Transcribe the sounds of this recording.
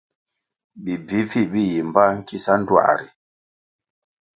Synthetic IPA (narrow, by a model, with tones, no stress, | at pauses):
ɓi˨bi˨˦vi˦˨ɓi˦˨ji˨m˨ba˦ŋ̩˦ki˦sa˦n̩˦dwa̰˦˨ʔɾḭ˨